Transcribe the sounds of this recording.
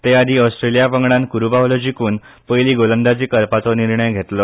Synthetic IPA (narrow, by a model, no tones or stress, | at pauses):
t̪ead̪ʱiːɔsʈ̪ɾelijapəŋɡɽãnkuɾubaolɔd͡ʑikuːn | pəjliːɡolənd̪at͡ɕiːkəɾpat͡sɔniɾɳəjɡʱet̪lɔ